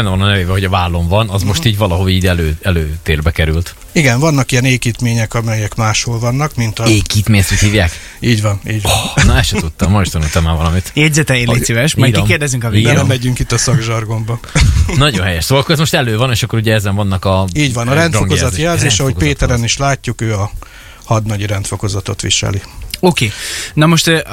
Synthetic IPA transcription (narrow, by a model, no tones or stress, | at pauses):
bɛnːɛvɒnɒnɛveːbɛɦo̞ɟɒvaːlːo̞ɱvɒnɒzmo̞ʃt̪iːɟvɒlɒɦoliːɟɛløːɛløːt̪eːrbɛkɛɾylt̪ | iɡɛɱvɒnːɒkijɛneːkiːt̪meːɲɛkɒmɛjɛkmaːʃholvɒnːɒkmint̪ɒeːkiːt̪meːɲst̪yt̪hiːvjaːk | iːɟvɒniːɟnɒɛsʃɛt̪ut̪ːɒmːɒjiʃt̪ɒnult̪ɒmːaːvɒlɒmit̪jɛɟzɛt̪ɛeesivɛʃmɛikːeːrd̪ɛzyŋkɒvibɛlɛmɛɟyŋkit̪ːɒsɒɡʒɒrɡo̞mbɒnɒɟonɦɛjɛʃsolokoɛzmo̞ʃt̪ɛløːvɒneːʃɒkːoɾuɟɛɛzɛɱvɒnːɒkɒiːɟʋɒnɒɾɛnt̪foŋkozɒt̪jɛlzeːʃʃɒho̞ckpeːt̪ɛɾɛniʃlaːcːukøːɒ | hɒd̪nɒɟiɾɛnt̪fo̞ko̞zɒt̪o̞̰t̪ʋḭʃɛ̰lioːkeːnɒmo̞ʃt̪ː